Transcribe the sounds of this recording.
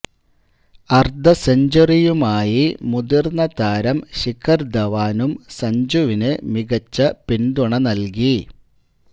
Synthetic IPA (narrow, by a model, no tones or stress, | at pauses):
ɐrd̪ʱɐseɲd͡ʑɐrijumaːjimud̪irnːɐt̪aːɾɐmɕikʰːɐrd̪ɐʋaːnumsɐɲd͡ʑuʋinɨmiɣɐt͡ɕːɐpind̪uɳɐnɐlk̬i